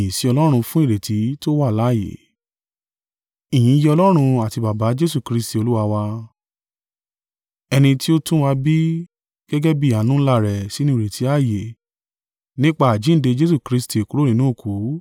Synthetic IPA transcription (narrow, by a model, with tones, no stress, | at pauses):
ĩ˨si˨˦ɔ˧lɔ˦ɾ̃ũ˧fũ˦i˦˨ɾe˨tʰi˨˦to˦wa˦˨la˨˦˨jḛ˨ | i˨j̃ĩ˨˦jɛ˧ɔ˧lɔ˦ɾ̃ũ˧a˦˨ti˧ba˨ba˨˦d͡ʒe˦su˦˨kɾi˦sti˨o˧lu˦wa˧wa˧ | ɛ˧nĩ˧ti˦o˦tũ˦wa˧bi˦ | ɡ̥ɛ˦ɡɛ˦bi˦˨a˨˦nũ˦la˦˨ɾɛ˨si˨˦nũ˦˨ɾe˨tʰi˨˦a˦˨je˨ | nĩ˦k͡pa˦˨a˨d͡ʒĩ˨˦n̩˦de˧d͡ʒe˦s̬u˦˨kɾi˧sti˨e˨ku˨˦ɾo˦nĩ˧nũ˨˦o˦˨ku˨˦